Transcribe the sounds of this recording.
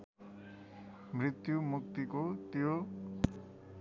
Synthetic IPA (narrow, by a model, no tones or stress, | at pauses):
mrit̪jumukt̪ikot̪jo